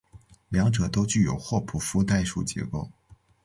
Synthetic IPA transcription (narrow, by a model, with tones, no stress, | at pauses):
ljɑ˧˥ŋʈ͡ʂɤ˨˩t̪o˥ʊt͡ɕy˥˩jo˨˩ʊxwɔ˥˧pʰu˨˩fu˥t̪a˥˧ɪʂu˥˩t͡ɕjɛ̰˧˥ko˥˩ʊ